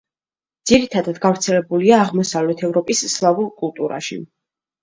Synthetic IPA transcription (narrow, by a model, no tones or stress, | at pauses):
d̪z̥iɾit̪ʰad̪ad̪ɡavɾt̪sʰɛlɛbuliaːʁmɔsavlɛt̪ʰɛvɾɔpʼisːlˠavuɾkʼulˠt̪ʼuɾa̰ʃḭ